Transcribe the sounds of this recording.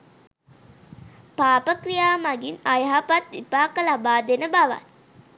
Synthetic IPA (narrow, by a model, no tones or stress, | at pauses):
paːpəkrijaːmaɡinajɦapat̪ʋipaːkəlabaːd̪enəbaʋa̰n